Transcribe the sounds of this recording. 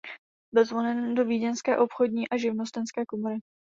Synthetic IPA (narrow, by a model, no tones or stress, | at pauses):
bɪlzvolɛndo̞viːɟɛnskɛːʔo̞pxo̞dɲiːʔaʒɪvno̞st̪ɛnskɛːkomoɾɪ